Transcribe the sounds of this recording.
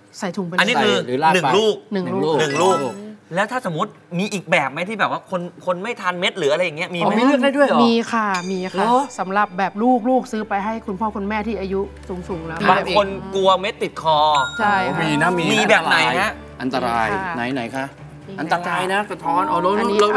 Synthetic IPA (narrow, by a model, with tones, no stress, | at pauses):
sa˨˩˦jt̪ʰu˨˩˦pe˧a˧n˧niː˦˥˧kʰɯː˧˨˦a˧nɯ˨˩ŋluː˥˩k̚nɯ˨˩luː˥˩˥nɯ˨˩ŋluː˥˩k̚lɛː˦˥wt̪ʰaː˥˩so˩˦mːu˦˥t̪̚miː˧ʔiː˨˩k̚bɛː˨˩p̚ma˦˥jt̪ʰiː˥˩bɛː˨˩p̚waː˥˩kʰo˧nkʰo˧nma˥˩jt̪ʰa˧nme˦˥t̪̚ɾɯː˩˦ʔa˧ɾjːa˨˩ŋi˦˥ɐ˧miː˧m˧˦˧mi˧lɯ˥˩k̚daː˥˩du˥˩jmiː˧kʰa˥˩miː˧kʰa˧˩˦sa˩˦mɾa˨˩p̚bɛː˨˩p̚luː˥˩k̚luː˥˩k̚sɯː˦˥pa˧jɦa˥˩jkʰu˧npʰɔː˥˩kʰu˧nmɛː˥˩t̪ʰiː˥˩ʔa˧ju˦˥su˨˩˦ŋsu˨˩˦ŋlɛː˦˥ba˧kʰo˧nku˧ɐme˦˥t̪ːi˨˩t̪̚kʰɔː˧t͡ɕʰa˥˩jmiː˧na˦˥miː˧miː˧bɛː˨˩p̚na˨˩˦ja˦˥ | ʔa˧nt̪a˧ɾaː˧jna˩˦jna˨˩˦jkʰa˦˥ʔ | ʔa˧nt̪a˧aː˧jna˦˥sa˨˧˩t̪ʰɔː˦˥nʔa˨˧˩lo˦˥˧nː˦˥˦